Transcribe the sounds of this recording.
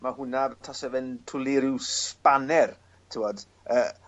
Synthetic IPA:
mahʊnatʰɔsɛvɛntʰʊlˠiɾɪwspanɛr | tʰɪwɔd̥ | əː

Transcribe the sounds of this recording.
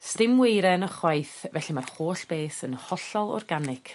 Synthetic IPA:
stɪmwejɾɛnəχwajθvɛɬimarχoːɬb̥eːsə̰nhɔɬɔlˠɔ̰rɡanɪk

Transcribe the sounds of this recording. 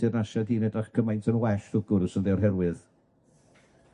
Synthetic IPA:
ɨrnaʃadiːnɛdraχkʰəmajntʰənwɛʃd̥ʊɡʊɾsənðɛwrɦɛɾwɨð

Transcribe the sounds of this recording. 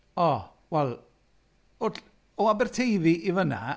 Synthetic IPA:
ɔ | wɛlˠ | ɔd | ɔabɛrtʰejviʔivəna̰

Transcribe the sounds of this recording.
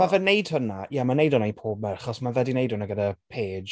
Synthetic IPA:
avɛnejd̥hənajamanejdɔnajnpʰoːb̚mɛraχɔsmavɛdinejdʊnaɡədapʰeːd

